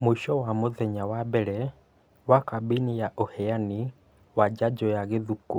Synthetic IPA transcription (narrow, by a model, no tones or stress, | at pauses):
muiʃɔwamoðɛɲawabɛɾɛ | wakabinijaʔohɛjani | wad͡ʒad͡ʒɔjaɣeðuku